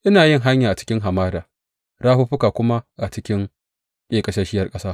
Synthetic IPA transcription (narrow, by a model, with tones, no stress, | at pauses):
ʔɪ˦naː˨jɪ˦ŋɦa˦ɲjaː˨ʔa˨t͡ʃɪ̥˦kʲɪ˦ŋɦa˨maː˦daː˨ | ɾaː˦ɸu˦ɸʊ˦kaː˨kʷʊ˦ma˦ʔa˨t͡ʃɪ˦kʲɪ˦ŋ | kʲʼeː˦˨kʼɐ˨ʃɐ˦ʃɪ˦jɐ˦rkʼɐ˦saː˦